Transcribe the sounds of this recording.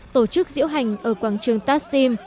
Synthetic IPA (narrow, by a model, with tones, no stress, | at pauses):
t̪o˧˩t͡ɕɨ˦˥k̚zḭ˧˥əwɦa˨˩jŋ̟ʔəː˧˩kwaː˧˩ŋt͡ɕɨ˨˩əŋt̪aː˦˥t̚si˧m